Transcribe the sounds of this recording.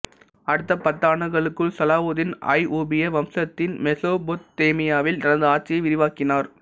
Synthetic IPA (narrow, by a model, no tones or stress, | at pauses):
ɐɽɯt̪ːɐpɐt̪ːaːɳɯɣɐɭɯkːɯɭsɐlaːʋoːðɪnɐ̰jʔoːbɪjɐʋɐmsɐt̪ːɪnmɛsoːbot̪ːeːmɪjaːʋɪlnɐɾɐnðd̪ɯaːʈ̚t͡ʃɪjɐɪʋɪɾɪʋaːkɪnaːɾ